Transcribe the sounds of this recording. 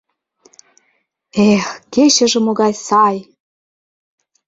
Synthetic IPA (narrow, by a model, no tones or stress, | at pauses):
exket͡ɕə̆ʒĕmoɣɑjsɑj